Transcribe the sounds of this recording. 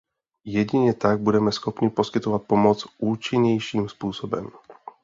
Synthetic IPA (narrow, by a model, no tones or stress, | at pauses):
jɛɟiɲɛt̪aɡ̚budɛmɛsxɔpɲiposkɪt̪ɔvat̪̚pomɔt͡sʔuːt͡ʃiɲɛjʃiːmspuːsobɛ̰m